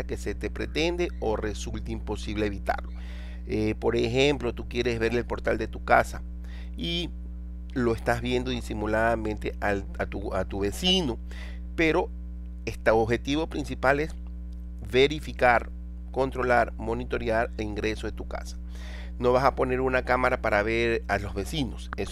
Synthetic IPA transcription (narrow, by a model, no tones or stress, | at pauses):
ake̞se̞t̪epɾe̞t̪e̞nd̪eore̞sult̪eimpo̞siβleeːβit̪a̰ɾlo̞ | epo̞ɾexemplo̞t̪ukje̞ɾe̞zβe̞ɾelpo̞ɾt̪ald̪e̞t̪ukasa | i | lo̞est̪azβje̞nd̪o̞ðisimulaðamẽnt̪ea | at̪uat̪uβe̞sino | pe̞ɾo̞ | est̪aoβxe̞t̪iβo̞pɾinsipales | βe̞ɾifikaɾ | ko̞nt̪ɾo̞laɾmo̞nit̪o̞ɾjaɾeliŋɡɾe̞soðet̪uka̰sḁ | no̞βasapo̞ne̞ɾunakamaɾapaɾaβeɾalo̞zβe̞sino̞ses